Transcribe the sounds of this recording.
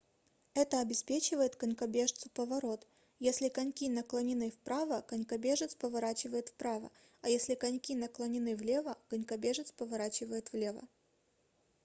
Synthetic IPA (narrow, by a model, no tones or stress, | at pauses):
ɛt̪əɐbʲɪspʲet͡ɕɪvəjɪt̪kənʲkɐbʲe̞ʂt̪sʊ̥pəvɐɾo̞t̪ | jesʲlʲɪkɐnʲkʲinəklˠənʲɪnɨfpɾʔavəkɐnʲkɐbʲe̞ʐɨt̪spəvɐɾat͡ɕɪvəjɪt̪fpɾavə̰ | ɐjesʲlʲɪkɐnʲkʲinəklˠənʲɪnɨvlʲe̞vəkənʲkɐbʲe̞ʐɨt̪spəvɐɾat͡ɕɪvəjɪt̪vlʲe̞və̰